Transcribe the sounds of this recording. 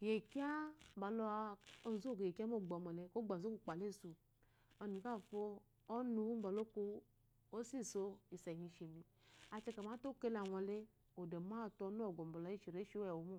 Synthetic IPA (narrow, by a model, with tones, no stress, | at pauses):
ke˨je˨ki˦a˦m˦ba˨lo˧a˧o˧zo˦˨ɡe˨e˨ki˦mo˦˨ɡ͡bɔ˨mɔ˨le˧ko˦ɡ͡ba˨zo˦ku˧˨k͡pa˨le˦˨su˨ | ɔ˧nu˨ka˦˨foː˧˦ | nu˧˦m̩˦ba˨lo˦ko˧ | o˦si˦˨so˧i˨sɛ˨ɲi˧ʃe˨mi˧ | a˧t͡ʃɛ˧ka˨ma˨˦to˦ke˦la˨wa˧le˦ | o˨de˨ma˦˨tɔ˧˦nu˦ɔ˦˨ɡo˨m˨bo˨la˨˦i˦ʃi˨ɾe˦ʃi˦ɛ˨wo˨˦mo˦˨